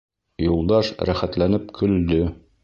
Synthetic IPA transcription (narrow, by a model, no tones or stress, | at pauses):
julˠd̪ɑʃɾæχæt̪lænɘpkʰɵ̆ld̪ɵ